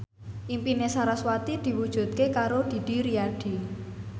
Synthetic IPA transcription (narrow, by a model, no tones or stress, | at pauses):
ʔimpinesaɾaswat̪id̪̥i̤wud̥ʒ̥ṳt̪̚kekaɾod̪̥i̤d̪̥i̤ɾiaɖ̥i̤